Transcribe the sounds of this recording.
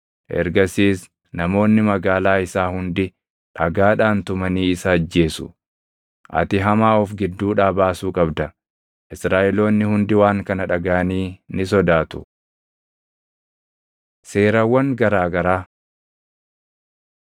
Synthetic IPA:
ʔɛ̰ɾɡɐsiːs | nɐmo̞ːnːɪmɐɡaːlaːɪsaːhʊnd̪ɪ | ᶑɐɡaːᶑaːnt̪ʊmɐniːɪsaːd͡ʒːe̞ːsʊ̰ | ʔɐ̰t̪ɪɦɐmaːɔfɡɪd̪ːuːᶑaːbaːsuːkʼɐbd̪ɐ | ʔɪsɾaːʔɛlo̞ːnːɪhʊnd̪ɪwaːŋkɐnɐᶑɐɡaːɐniːnɪsɔd̪aːt̪ʊ̥ | se̞ːɾɐwːɐŋɡɐɾaːɡɐɾaː

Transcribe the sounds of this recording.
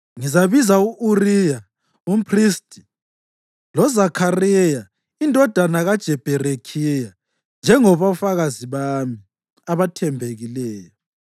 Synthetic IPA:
ŋizaβizauʔurija | um̩pʰristʼi̥ | lɔzakʰarɛja | indʱɔd̥ʱanaɣad̥ʒ̥ʱɛb̥ʱɛrekʰija | nd͡ʒʱɛŋɔβafaɣaziβami | aβatʰɛmbʱeɣilɛːjɔ

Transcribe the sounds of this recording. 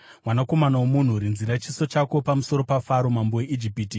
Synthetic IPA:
mwanako̞manawomun̤uɾinziɾat͡ʃiso̞t͡ʃako̞pamuso̞ɾo̞pafaɾo̞mambo̞we̞ʔid͡ʒipiːti

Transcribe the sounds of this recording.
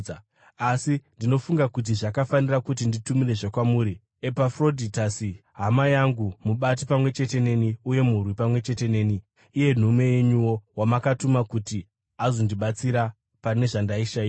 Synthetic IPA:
asindino̞fuŋɡakut̬iʐakafanirakut̬inditumire̞ʐakwamuːɾi | e̞pafro̞dʱitasiɦamajaŋɡumuɓat̬ipamwe̞t͡ʃe̞te̞ne̞niuje̞murwipamwe̞t͡ʃe̞te̞ne̞ːniː | je̞n̤umwejeɲuwo̞wamakatumakuti | azo̞ndiɓat͡siɾa | pane̞ʐandaiʃaiː

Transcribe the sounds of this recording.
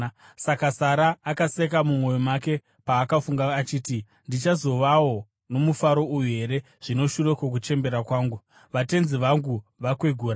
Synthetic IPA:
sakasaɾaːkasekamumwo̞jomake̞ | paːkafuŋɡaːt͡ʃiːti | ndit͡ʃazo̞ʋawo̞ | no̞mufaɾo̞ujuɦe̞ɾe̞ | ʐ̥ino̞ʃurekwok̬ut͡ʃe̞mbe̞ɾakwaːŋɡu | ʋate̞nziʋaŋɡuʋakweɡʱuːɾa

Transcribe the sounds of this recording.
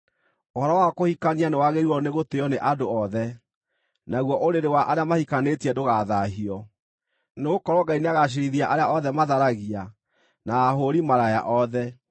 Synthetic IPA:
ohɔɾɔwakohikanianewaɣeɾiwɔneɣoteɔneʔadoɔðɛ | naɣwɔʔoɾeɾewaʔaɾeamahikanetiɛdoɣaðaɦiɔ | neɣokɔɾɔɡaineaɣaɕ̬iɾiðiaʔaɾeaʔɔðɛmaðaɾaɣia | naːɦoɾimaɾaja̰ʔɔðɛ

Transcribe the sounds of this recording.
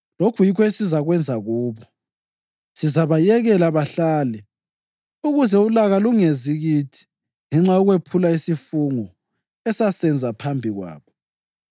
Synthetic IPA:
lokʰujikʰɔesizaɣwɛnd͡zʱaɣuːβɔ | sizaβajɛɣɛlaβaɬaːlɛ | uɣuzɛulaɣaluŋeziɣitʰi̥ | ŋɛŋ͡ǁaɔɣwepʰulaisifuŋɔ | ɛsasɛnd͡zʱapʰambʱiɣwa̰ːβɔ

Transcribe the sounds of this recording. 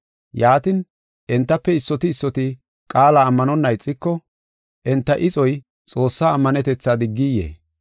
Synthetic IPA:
jaːt̪ɪn | ʔɛnt̪ːɐpːɛɪsːɔt̪ɪːsːɔt̪ɪ | kʼaːlaːmːɐnɔnːɐjt͡sʼːɪkːɔ | ʔɛnt̪ːɐʔɪt͡sʼɔj | t͡sʼo̞ːsːaːmːɐnɛt̪ɛt͡sːaːd̪ɪɡːɪjḛː

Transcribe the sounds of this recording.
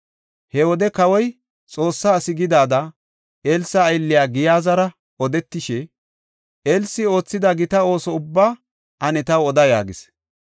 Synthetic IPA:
hɛwɔd̪ɛkɐwɔj | t͡sʼo̞ːsːaːsɪɡɪd̪aːd̪ɐ | elsɐːjlːɪjaːɡɪjaːzɐɾɐ | ɔd̪ɛt̪ːɪʃɛ | elsːɪo̞ːt͡sːɪd̪ɐɡɪt̪ɐo̞ːsɔʊbːaː | ʔɐnɛt̪ɐwɔd̪ɐja̰ːɡɪs

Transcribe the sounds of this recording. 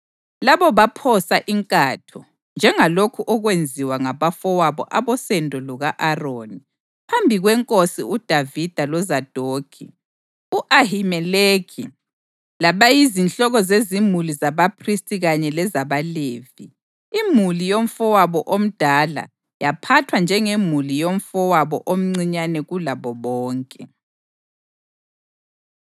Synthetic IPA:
laβɔβapʰɔsaʔiŋkʼaːtʰɔ | nd͡ʒʱɛŋalokʰuʔɔɣwend͡zʱiwaŋaβafɔwaβɔ̰ʔaβɔsɛndʱɔlɔɣaʔaroːni | pʰambʱiɣwɛŋkʼosiud̥ʱavid̥ʱalɔzad̥ʱoːkʰḭ | uʔahimɛlekʰḭ | laβajizint͡ɬʼɔɣɔzezimulizaβapʰristʼiɣaɲɛlɛzaβaleːvi | imulijoɱ̩fɔwaβɔʔom̩d̥ʱala̰ | japʰatʰwand͡ʒʱɛŋemulijom̩fɔwaβɔʔom̩ŋ͡ǀiɲanɛɣulaβɔβɔːŋkʼɛ

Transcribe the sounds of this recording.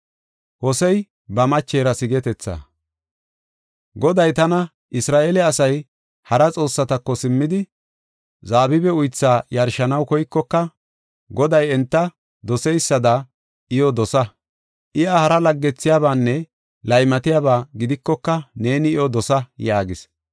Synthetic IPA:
hɔsɛj | bɐmɐt͡ʃːeːɾɐsɪɡɛt̪ɛt͡sːa̰ | ɡɔd̪ɐjt̪ɐnɐ | ʔɪsɾaːʔeːlɛɐsɐj | hɐɾɐt͡sʼo̞ːsːɐt̪ɐkːɔsɪmːɪd̪ɪ | zaːbɪbɛʊjt͡sːaːjɐɾʃɐnɐwkɔjkːɔkːɐ | ɡɔd̪ɐjɛnt̪ːɐ | d̪ɔsɛjsːɐd̪a | ʔɪjɔd̪ɔsɐ | ʔɪjahɐɾɐlɐɡːɛt͡sːɪjaːβaːnːɛ | lɐjmɐt̪ɪjaːbaːɡɪd̪ɪkːɔkːɐne̞ːnɪɪjɔd̪ɔsɐjaːɡɪs

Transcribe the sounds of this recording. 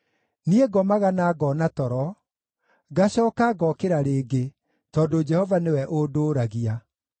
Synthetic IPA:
nieɡɔmaɣanaːɡɔnatɔɾɔ | ɡaɕɔːkaɡɔkeɾaɾeːɡe | tɔːdod͡ʒɛhɔvanewɛʔodoːɾaɣia

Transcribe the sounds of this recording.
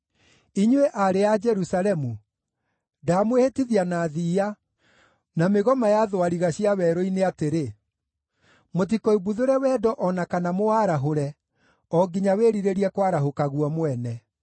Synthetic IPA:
iɲweʔaɾead͡ʒɛɾusalɛmu | daːmwehetiðianaðiːa | nameɣɔmajaðwaɾiɣaɕiawɛɾɔineateɾe | mot̬ikoibuðoɾɛwɛːdɔʔɔnakanamoaɾaɦoɾɛ | ɔɡiɲaweɾiɾeɾiɛkwaɾaɦokaɣwɔmwɛnɛ

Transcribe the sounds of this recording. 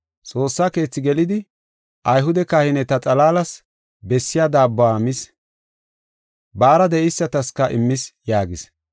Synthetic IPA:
t͡sʼo̞ːsːaːke̞ːt͡sːɪɡɛlɪd̪ɪ | ʔɐjɦʊd̪ɛkahɪnɛt̪ɐt͡sʼɐlaːlɐs | bɛsːɪjad̪aːbːaːmɪs | baːɾɐd̪ɛʔɪsːɐt̪ɐskɐʔɪmːɪsjaːɡɪs

